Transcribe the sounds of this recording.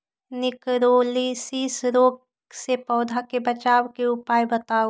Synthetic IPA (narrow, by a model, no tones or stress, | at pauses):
nɪkɾoːlisiːsɾoːɡ | sepɔːd̪ʱakebɐt͡ʃaːwkeʊpaːjbɐt̪aːo